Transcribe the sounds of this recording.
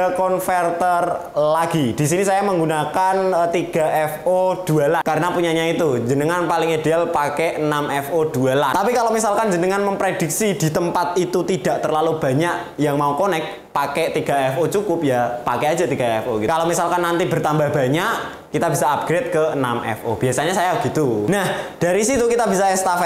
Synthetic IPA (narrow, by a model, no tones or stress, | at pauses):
əkɔnfɛrt̪ərlaɡ̥id̥isinisajaməŋɡunakant̪iɡ̥a̤ʔɛfod̥ualakaɾənapuɲaɲait̪ud͡ʒənəŋanpalɪŋidealpakɛʔənamɛfod̥ualaapikalomisalkand͡ʒənəŋanməmpɾed̥iksid̥i̤t̪əmpat̪it̪ut̪id̥a̤ʔt̪ərlalub̥a̤ɲaʔ | jaŋmaukonɛk̚ | pakɛt̪iɡ̥a̤ɛfot͡ʃukʊp̚japakead͡ʒat̪iɡ̥aɛfokikalomisalkanːant̪ibərt̪ambahb̥a̤ɲaʔ | kit̪abisaːp̚ɡ̥ɾet̪̚kəənamʔɛ̰fob̥iasaɲasajabəɡ̥it̪unahd̥aɾisit̪ukit̪abisaɛst̪afɛ